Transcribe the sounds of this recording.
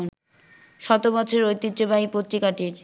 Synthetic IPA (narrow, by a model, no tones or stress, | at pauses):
n | ʃɔt̪obɔt͡ɕʰoɾojt̪ːid̪ːd͡ʑobaipot̪ːɾikaʈiɾ